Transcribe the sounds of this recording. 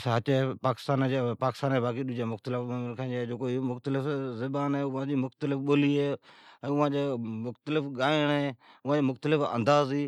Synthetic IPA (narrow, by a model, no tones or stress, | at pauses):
sɦət͡ʃːpaːkɪ̥st̪aːnd͡ʒepaːkɪ̥st̪aːneːbaːk̬iɗʊd͡ʒaːmʊxt̪əlɪfmɪlkʰaːd͡ʒd͡ʒoːkoɪomʊxt̪əlɪfzɪbaːnɦɛːʊʋãːd͡ʑiːmʊxt̪əlɪfɓoːliːɦeːɛ̃ːʊʋ̤ãːd͡ʒeːmʊxt̪əlɪfɠaːɪɳ̃ɦeːʊʋãːd͡ʒiːmʊxt̪əlɪfə̰̃nd̪aːziː